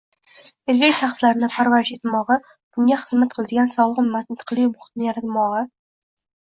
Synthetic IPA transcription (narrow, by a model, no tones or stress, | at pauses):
eɾɡʲakʲt̪ʰaχslaɾɪnɪpʰaɾvaɾɪʃe̞t̪ʰmɒʁɑ | b̥ʊŋɡʲaχɨzmat̪̚qʰɨlˠad̪ɪɡʲansɒlˠʁɨnmat̪ɪnt̪ʰɨ̥qlˠimʊχɪ̥t̪nɪjaɾat̪mɒʁɑ